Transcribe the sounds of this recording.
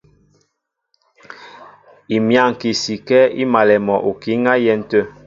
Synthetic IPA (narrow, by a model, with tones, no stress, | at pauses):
i˨mja˦˨ŋ˨ki˨si˨kɛ˦ḭ˦ma˨lɛ˨mɔ˨ʔu˨ki˦ŋa˦jɛ˦˨n̩˨tə˦˨